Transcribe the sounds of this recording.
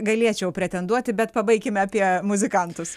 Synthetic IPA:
ɡɐlʲiɛt͡ʃʲɛʊpʲɾʲɛt̪ʲɛnd̪uɔt̪ʲɪbʲɛt̪pɐbɐɪkʲɪmʲɑːpʲiɛmʊzʲɪkɐnt̪ʊs

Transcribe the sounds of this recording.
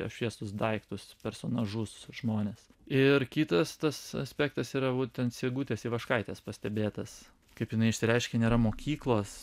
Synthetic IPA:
ɐ̰ʃʲʋʲiɛst̪ʊsd̪ɐɪkt̪ʊspʲɛɾsoːnɐʒʊsʒmoːnʲeːs | ɪɾkʲiːt̪ɐst̪ɐsɐ̰sʲpʲæːkt̪ɐsiːɾɐʋuːt̪ʲɛnt̪sʲeːɡuːt̪ʲeːsiʋɐʃkɐɪt̪ʲɛspɐsʲt̪ʲɛbʲeːt̪ɐs | kɐɪpjɪnɐɪɪʃʲsʲɪɾʲɛɪʃʲkʲɛnʲeːɾɐmoːkʲiːklˠoːs

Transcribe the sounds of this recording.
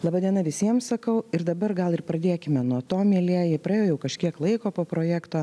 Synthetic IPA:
lˠɑːbɑːd̪ʲiɛnɐʋʲɪsʲiɛmsɐkɐʊɪɾd̪ɐbɐɾɡɐlˠɪrpɾɐd̪ʲeːkʲɪmʲɛnuɔt̪oːmʲiɛlʲeɛjɛːpɾɐeːjoːjɛʊkɐʃʲkʲiɛklˠɐɪkoːpoːpɾoːjækt̪oː

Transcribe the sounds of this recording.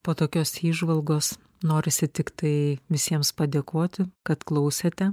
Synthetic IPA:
poːt̪oːkʲoːsiːʒʋɐlˠɡoːs | noːɾʲɪsʲɪt̪ʲɪkt̪ɐɪʋʲɪsʲiɛmspɐd̪ʲeːkoːt̪ʲɪkɐt̪klˠɐʊsʲeːt̪ʲɛ

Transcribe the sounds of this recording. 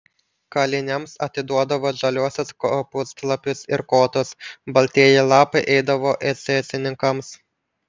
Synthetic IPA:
kɐlʲɪnʲɛmsɐt̪ʲɪd̪uɔd̪ɐʋoːʒɐlʲuɔsʲoskopʊsklˠɐpʲʊsɪɾkoːt̪ʊsbɐlʲt̪ʲiɛjɪlˠɑːpɐɪʔɛɪd̪ɐʋoːʔɛsʲɛsʲɪnʲɪŋkɐms

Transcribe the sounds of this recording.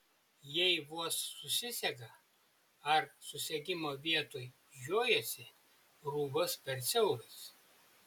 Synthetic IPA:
jɛɪʋuɔsːʊsʲɪsʲɛɡɐ | ɐɾsʊsʲɛɡʲɪmoːʋʲiɛt̪oːj | ʒʲoːjosʲɪ | ɾuːɡʊspʲɛɾt̪sʲɛʊɾʲʊs

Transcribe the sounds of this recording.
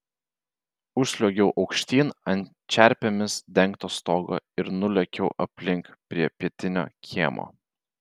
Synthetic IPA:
ʊʃsʲlʲoɡʲɛʊʔɒʊkʃʲt̪ʲiːnɐnʲ | t͡ʃʲæˑɾʲpʲɛmʲɪsd̪ʲɛŋkt̪oːst̪oːɡo̰ːɪɾnʊlʲɛkʲɛʊʔɐpʲlʲɪŋkpʲɾʲiɛpʲiɛt̪ʲɪnʲo̰ːkʲiɛmʔo̰ː

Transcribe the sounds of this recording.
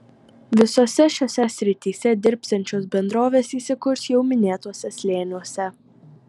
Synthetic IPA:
ʋʲɪsoːsʲɛʃʲoːsʲɛsʲɾʲɪt̪ʲiːsʲɛd̪ʲɪɾʲˑpʲsʲɛnʲt͡ʃʲoːsbʲɛnd̪ɾoːʋʲeːsiːsʲɪkʊɾsjɛʊmʲɪnʲeːt̪oɔsʲɛsʲlʲeːnʲuɔsʲɛ

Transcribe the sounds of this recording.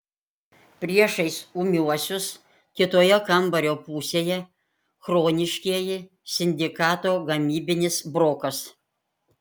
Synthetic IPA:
pʲɾʲiɛʃɐɪsumʲuɔsʲʊs | kʲɪt̪oːjɛkɐmbɐɾʲoːpuːsʲeːjɛ | xɾoːnʲɪʃʲkʲiɛjɪ | sʲɪnʲd̪ʲɪkɑːt̪oːɡɐmʲiːbʲɪnʲɪsbɾoːkɐs

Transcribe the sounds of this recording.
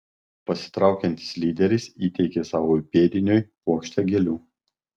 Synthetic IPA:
pɐsʲɪ̥t̪ɾɑˑʊkʲɛnʲt̪ʲɪ̥slʲiːd̪ʲɛɾʲɪsiːt̪ʲɛɪkʲeːsɑːʋoːpʲeːd̪ʲɪnʲoːjpoɔːkʃʲt̪ʲɛɡʲelʲuː

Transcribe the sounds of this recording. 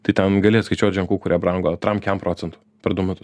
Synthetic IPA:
t̪ɐɪt̪ʲɛnɡɐlʲeːjɛskɐɪt͡ʃʲoːt̪ʲʒʲɛŋkuːkʊɾʲiɛbɾɐŋɡoːɐt̪ɾɐmkʲɛmpɾoːt͡s̪ʲɛnt̪ʊ̥ | pʲɛɾd̪ʊmʲʊt̪ʊs

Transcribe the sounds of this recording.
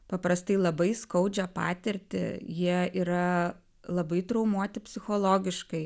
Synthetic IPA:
pɐpɾɐst̪ɐɪlˠɐbɐɪskɐʊd͡ʒʲɛpɑ̰ːt̪ʲɪɾʲt̪ʲɪ̰jiɛiːɾɐ | lˠɐbɐɪt̪ɾɐʊmuɔt̪ʲɪpʲsʲɪxoːlˠoːɡʲɪʃkɐɪ

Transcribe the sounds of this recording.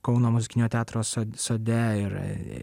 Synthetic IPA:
kɒʊnoːmʊzʲɪkʲɪnʲoːt̪ʲæːt̪ɾoːsosoːd̪ʲɛɪɾ̰

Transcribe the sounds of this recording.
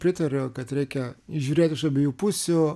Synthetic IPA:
pʲɾʲɪt̪ɐɾʲokɐt̪ɾʲɛɪkʲɛiʒʲuːɾʲeːt̪ʲɪʃɐbʲeːjuːpʊsʲʊ

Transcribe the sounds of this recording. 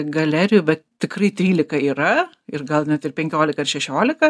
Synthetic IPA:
ɡɐlʲæːɾʲɪjʊbʲɛtt̪ʲɪkrɐɪt̪ʲɾʲiːlʲɪkɐiːɾɐ | ɪrɡɐlˠnʲɛt̪ɪrpʲɛŋʲkʲoːlʲɪkɐɪrʃʲɛʃʲoːlʲɪkɐ

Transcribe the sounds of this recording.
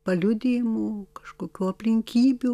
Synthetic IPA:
pɐlʲʊd̪ʲejɪmuːkɐ̥ʃkoːkʲuːɐpʲlʲɪŋʲkʲiːbʲu

